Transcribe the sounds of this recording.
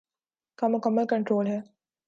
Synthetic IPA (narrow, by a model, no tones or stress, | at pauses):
kɐmɐkɐməkɐɳʈɾoːlɦe